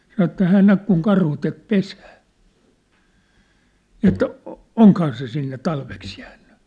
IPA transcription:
sɑnŏ ĕt hæːn næk kuŋ kɑrhu tek pesæː ni et oŋkhɑː se sinːe tɑlʋeks jæːnːy

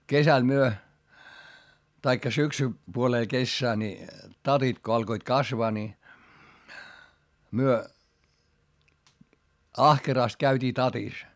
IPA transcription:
kesæl myø tɑikːɑ syksy puoleː kesːæː ni tɑtit ko ɑlkoit kɑsʋɑː ni myø ɑhkerɑˑst kæytʲiː tɑtis

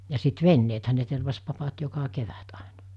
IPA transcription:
jɑ sit ʋenːeːthæ ne terʋɑs pɑpɑt jokɑ keʋæt ɑˑenɑ

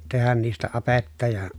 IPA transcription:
tehæn niːstæ ɑpetːɑ jɑ

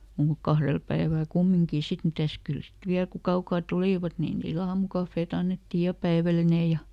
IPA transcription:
muːk kɑhrel pæiʋæˑl kumːiŋkiˑ sit mitæs kyl sit ʋiæl ku kɑukɑː tuliˑʋɑt ni niːl ɑːmukɑfːeːt ɑnːetːij jɑ pæiʋæline jɑ

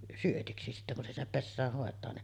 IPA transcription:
syøtiksi sitːæ kun se sinːep pesːæːh hoˑetˑɑː ne

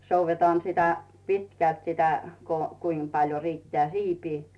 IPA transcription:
souʋːetɑːn sitæ pitkælt sitæ ko kuim pɑljo riːtːĕæː siːpi

